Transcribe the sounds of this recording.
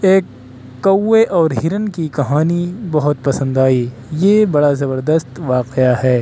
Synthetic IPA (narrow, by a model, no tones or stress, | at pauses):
eːkː | ɐwːeʔɔːɾɦɪɾənkikɐɦaːnibɐɦʊt̪̚pɐsə̃nd̪aːi | jebɐɽazɐbəɾd̪əst̪ʋaːqeaɦɛː